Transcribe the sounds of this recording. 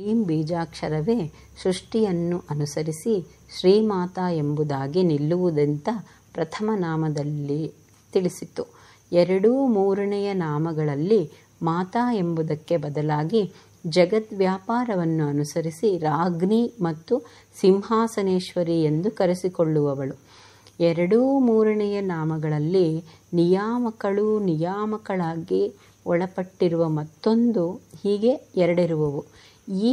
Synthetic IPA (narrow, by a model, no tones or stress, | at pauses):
iːmbiːd͡ʒaːkʂɐɾɐʋeː | sɾuʂʈijɐnːuʔɐnusɐɾisi | ʃɾiːmaːt̪aːe̞mbud̪aːɡinilːuʋud̪ɐnt̪ɐ | pɾɐt̪ʰɐmɐnaːmɐd̪ɐlːi | t̪iɭisit̪ːu | ɛɾɐɽumuːɾɐnɛjɐnaːmɐɡɐɭɐlːi | maːt̪aːe̞mbud̪ɐkːe̞bɐd̪ɐlaːɡi | d͡ʒɐɡɐt̪ʋjaːpaːɾɐʋɐnːuɐnusɐɾisiɾaːɡnimɐt̪ːu | simɦaːsɐneːʃʋɐɾie̞nd̪ukɐɾesiko̞ɭːuʋɐʋɐɭu | ɛɾɐɽumuːɾɐɳɛjɐnaːmɐɡɐɭɐlːi | nijaːmɐkɐɭunijaːmɐkɐɭaːɡi | ɔɭɐpɐʈːiɾuʋɐmɐt̪ːo̞nd̪uhiːɡe̞ɛɾɐɽiɾuʋɐʋu | iː